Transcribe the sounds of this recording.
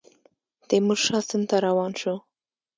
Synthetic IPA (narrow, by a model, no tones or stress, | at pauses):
d̪̥emuʒʃɑsənt̪aɾawɑnʃu